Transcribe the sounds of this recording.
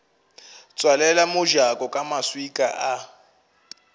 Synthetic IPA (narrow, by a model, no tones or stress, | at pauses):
t͡sʼwalɛlamʊʒakʼɔkʼamaswikʼaʔa